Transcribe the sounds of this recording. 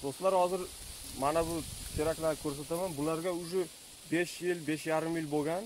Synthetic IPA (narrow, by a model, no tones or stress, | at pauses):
d̪̥ost̪laɾhɒzɪɾmanabʊt̪ʰe̞ɾakʲlaɾkʲʰɵɾsat̪amanbʊlaɾɡʲaʊʒʊ | be̞ʃjɪlbe̞ʃjaɾɪmjɪlboɡʲan